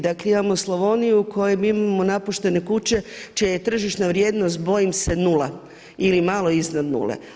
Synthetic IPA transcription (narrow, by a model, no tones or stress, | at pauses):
d̪akleimamoslˠoʋo̞nijukʰo̞jemiimamo̞napuʃt̪e̞ne̞kut͡ɕe̞t͡ʃijaje̞t̪r̩ʒiʃnaʋɾje̞ːd̪no̞st̪̚bo̞jimse̞nula | ilimalˠo̞iznad̪nṵlḛ